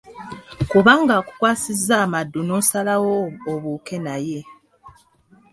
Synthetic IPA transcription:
kuβaːŋɡaːku̥kwaːsizːaːmadːunoːsalawoːβuke̞naje̞

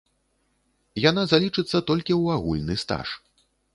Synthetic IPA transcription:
janazalʲit͡ʂɨt̪sːɐt̪ɔlʲkʲiwaɣulʲnɨst̪a̰ʂ

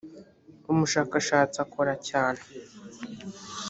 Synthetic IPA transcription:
umuʃaːkaʃaːt͡sakoɾacaːne

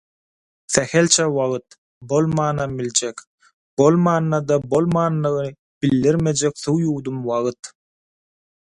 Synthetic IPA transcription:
θæhelʲt͡ʃʰewɑʁɯt̪ | bo̞lˠmɑːnɑbilʲd͡ʒek | b̥o̞lˠmɑːnːɑd̪ɑbo̞lˠmɑːnːɯɣnɯ | b̥ilːiɾmed͡ʒekθuwjuːd̪umwɑʁɯt̪

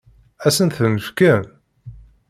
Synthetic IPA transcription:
æsənθənəfkæn

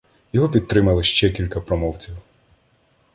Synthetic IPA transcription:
jɔɦɔpʲid̪̚t̪ɾɪmɐlˠɪʃt͡ʃɛkʲilʲkɐpɾɔmɔwt͡sʲiw

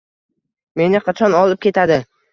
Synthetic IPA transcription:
me̞nɪqʰɑt͡ʃʰɒnɒlˠɪp̚kʲʰe̞t̪ʰad̪ɪ

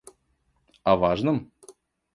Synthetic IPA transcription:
ɐvaʐnɨm

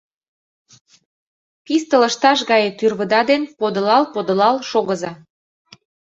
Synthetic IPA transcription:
pist̪ə̆ləʃt̪ɑʃɣɑjet̪yrβəd̪ɑd̪enpod̪ɤ̆lɑlpod̪ə̆lɑlʃoɣəzɑ

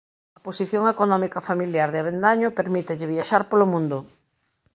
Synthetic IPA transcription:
ɐposiθjoŋekonɔmikafamiljaɾðɪaβend̪aɲopeɾmit̪eʎɪβjaʃaɾpolomũnd̪ʊ

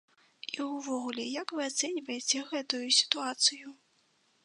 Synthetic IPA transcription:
iwvɔɣulʲɛjakvɨat̪sɛnʲivɐjet͡sʲɛɣɛt̪ujusʲi̥t̪uat̪sɨju

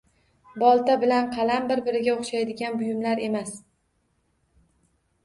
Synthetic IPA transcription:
bɒlˠt̪abɪlanqʰɑlambɪɾbɪɾɪɡʲaoχʃajd̪ɪɡʲanbʊjʊmlaɾe̞mas

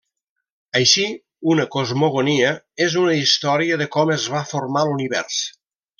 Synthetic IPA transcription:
əjʃi | unəkozmoɣ̞oniə | ezunəist̪ɔɾiəðəkɔməzβafoɾmaluniβɛ̰rs

